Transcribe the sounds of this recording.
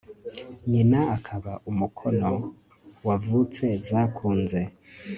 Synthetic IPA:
ɲinaakʰaβaʔumukʰo̞no̞ | wavut͡se̞zaːkʰuːnze̞

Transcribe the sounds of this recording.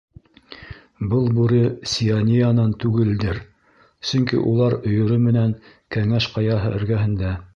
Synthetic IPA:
bɤlˠbʉɾɘsʲianʲijanɑnt̪ʉɡɘ̆ld̪ɘɾ | sɵ̆ŋkḭʔṵlˠɑɾŏjŏɾomɘ̆næŋ | kæŋæʃqɑjɑɦɤ̰ʔɵ̆ɾɡæɦɘ̆nd̪æ

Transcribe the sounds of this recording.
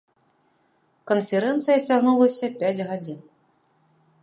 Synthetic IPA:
kənfʲɛɾɛnt̪sɨjɐt͡sʲaɣnulˠɐsʲɐpʲad͡zʲɣad͡zʲin

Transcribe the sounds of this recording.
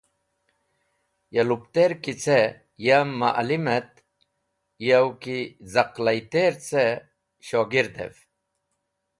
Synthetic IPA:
jɐlupt̪eɾkit͡se | jamːaʔlimet̪ | jɐwkizɐqlɐjt̪eɾt͡se | ɕoɡiɾd̪ḛf

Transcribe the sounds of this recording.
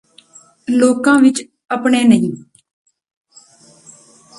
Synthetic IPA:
loːkãːʋɪt͡ʃ | əpɳeːnəĩː

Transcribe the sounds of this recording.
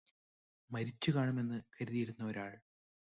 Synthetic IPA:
mɐɾit͡ɕːukaːɳɐme̞nːɨkɐɾuðijiɾunːɐoɾaːɭ

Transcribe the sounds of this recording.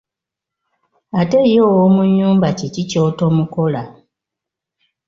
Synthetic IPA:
ate̞joːwomuɲuːmbacicicoːto̞muko̞la

